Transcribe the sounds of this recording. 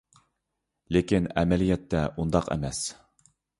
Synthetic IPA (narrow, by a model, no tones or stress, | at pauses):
lekʲinɛmɛlijɛt̪ʰːɛund̪ɑqɛ̰mɛs